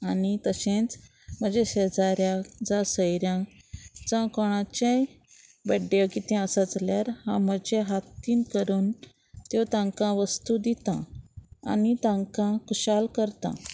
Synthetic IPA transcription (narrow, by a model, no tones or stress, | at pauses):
anit̪əɕẽt͡s | m̤əd͡ʑeɕed͡zaɾjãd͡zasəjɾjã | t͡sãkɔɽ̃ãt͡ɕẽ | bəɖekit̪ẽəsət͡sljaɾhãm̤əd͡ʑeɦat̪iːnkəɾuːn | t̪jot̪ãŋkãʋəst̪ud̪it̪ãa̰nit̪ãŋkãkuɕalkəɾt̪ã̰